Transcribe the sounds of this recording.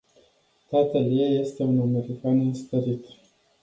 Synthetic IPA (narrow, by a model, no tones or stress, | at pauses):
t̪at̪əlijeje̞st̪e̞uname̞ɾikanɨnst̪əɾit̪